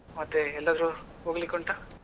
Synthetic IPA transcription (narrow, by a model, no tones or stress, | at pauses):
mɐt̪ːeɛlːaːd̪ɾuɦoːɡlikoɳʈa